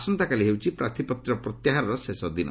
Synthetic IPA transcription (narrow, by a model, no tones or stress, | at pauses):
sɔnt̪akaliɦewt͡ʃʰipɾat̪ʰipɔt̪ɾɔpɾɔt̪jaɦaɾɔɾɔsesɔd̪inɔ̰